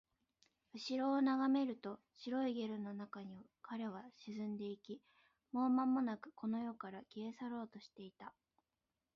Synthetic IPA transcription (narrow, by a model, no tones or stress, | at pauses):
ɯ̟ɕiɾo̞ːnaɡame̞ɾɯ̟t̪o̞ | ɕiɾo̞iɡe̞ɾɯ̟no̞nakaɲ̟iβakaɾe̞β̞aɕizɨ̃nd̪e̞ikʲi | mo̞ːmamːo̞nakɯ̟̥kʰo̞no̞jo̞kaɾakʲiesaɾo̞ːt̪o̞ɕi̥t̪e̞it̪a